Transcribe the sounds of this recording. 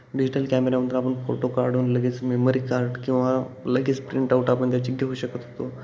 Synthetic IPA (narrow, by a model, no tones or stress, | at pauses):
ɖid͡ʑiʈəlkæmeɾamənt̪ɾapəɳfoʈokaɾɖuːnləɡiːt͡smemoɾikaɾɖkĩw̃ʋaləɡiːt͡spɾiɳʈauʈapəɳt̪jat͡ɕiɡʱeɦoːɕəkət̪ɦot̪o